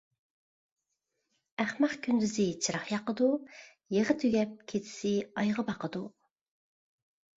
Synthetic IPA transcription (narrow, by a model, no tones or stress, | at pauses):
æχmɑχkʲʰynd̪yzɪt͡ʃʰɨɾɑχjɑqəd̪u | jeʁət̪ʰøɡʲɛp̚kʲʰet̪ʰɪ̥sɪɑjʁəbɑqʰəd̪u